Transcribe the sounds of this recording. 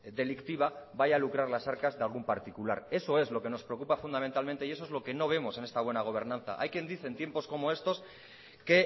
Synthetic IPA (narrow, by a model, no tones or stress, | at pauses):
d̪e̞likt̪iβ̞abajalukɾaɾlasaɾkazðealɣ̞umpaɾt̪ikula̰ɾe̞so̞e̞zlo̞ke̞no̞spɾeok̬upafund̪amẽ̞nt̪alment̪eie̞s̬o̞ezlo̞ke̞no̞β̞e̞mo̞se̞nest̪aβwe̞naɣ̞o̞β̞e̞ɾnãnθa̰ʔa̰jkje̞nd̪iθe̞nt̪je̞mpo̞sko̞mo̞e̞st̪o̞s | ke